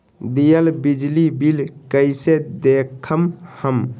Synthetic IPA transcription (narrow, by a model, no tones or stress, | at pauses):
d̪ijəlbid͡ʒlibilkəjsed̪ekʰəmhəm